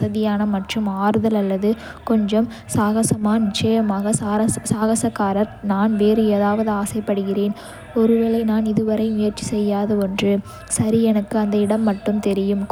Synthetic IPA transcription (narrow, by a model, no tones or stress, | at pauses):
ɐðɪjaːnɐmɐʈrɯmaːɾɯðɐlɐlːɐðɯ | kɔɲd͡ʒɐm | saːɣɐsɐmaːnɪt͡ʃːɐjɐmaːɣɐɐsaːɣɐsɐkːaːɾɐɾnaːnʋeːrɯɛðaːʋɐðɯaːsɐɪpːɐɽɯɣɪreːn | ɔɾɯʋɐɭɐɪnaːnɪðɯʋɐɾɐɪmʊjɐɾt͡ʃːisɛjːaːðɐɔndrɯ | sɐɾiɛnɐkːɯɐnd̪ɐɪɽɐmːɐʈːɯmt̪ɛɾɪjɯmk